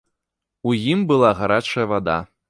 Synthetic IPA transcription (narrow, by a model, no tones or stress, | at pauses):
ujimbɨlˠaɣaɾat͡ʂɐjɐvad̪a̰